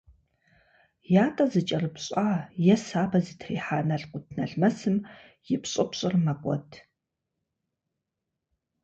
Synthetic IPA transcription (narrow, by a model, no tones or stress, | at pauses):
jaːtʼɐzɨt͡ʃʼɐrɨpɕʼaːjɛsaːbɐzitʰrḭːħaːnɐɮqʷʊtʰnɐɮmɐsɨm | jɪpɕʼɪpɕʼɪrmɐkʷʼɔ̰tʰ